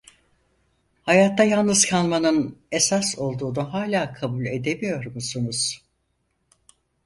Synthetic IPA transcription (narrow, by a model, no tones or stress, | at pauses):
hajat̪ʰːajalˠnɯzkʰalˠmanɯne̞saso̞lˠd̪uːnaɦaːlʲaːkʰabulʲe̞d̪e̞mijo̞ɾmusunuz̥